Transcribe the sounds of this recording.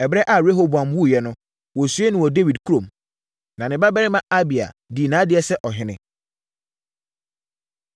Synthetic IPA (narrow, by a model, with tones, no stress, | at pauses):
ɛ˨bɾɛ˦ʔa˨ɾe˦ɦo˦bu˨a˨mwu˦˨jɛ˨nʊ̃˦ | wɔ˨su˦e˦nɪ̃˨wɔ˨de˦wi˨dkʰu˦ɾõ˨m | nã˨nɪ̃˨ba˦bɛ˦ɾɪ˦mã˦a˦bi˨a̰˨di˨nãː˨˦dɪ˦ɛ˦sɛ˦ʔɔ˨ɦɪ̃˨˦nɪ̰̃˦